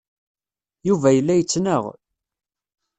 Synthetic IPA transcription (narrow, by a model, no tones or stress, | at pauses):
juvæjəlːæjət͡sːnəʁ